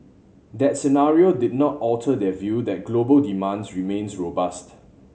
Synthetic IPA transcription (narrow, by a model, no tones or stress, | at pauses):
dɛt̚sɛnaɹiodɪd̚nɔtɔltʰədɛvjudɛt̚ɡ̥lobəldimãnsɹimẽnsɹobast